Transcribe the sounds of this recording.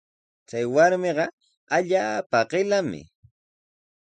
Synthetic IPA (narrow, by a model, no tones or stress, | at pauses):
t͡ʃajwaɾmeɢɑ | aʎaːpaɢɪlamɪ̰